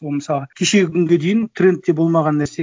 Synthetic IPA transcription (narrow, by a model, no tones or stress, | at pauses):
olˠməsɑlˠəkʲʰe̞ʃe̞ɡʲɪkʰʲʏŋɡʲe̞d̪ejɪnt̪ʰrʲe̞nt̪̚ːe̞bo̞lˠmɑʁɑnːæɾse